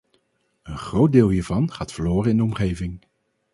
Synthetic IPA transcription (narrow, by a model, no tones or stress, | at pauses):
ənχrowt̚dɪːlˠɦiːɹvɑnχaːtfəɹloːrəɪndəɔmχejvɪŋ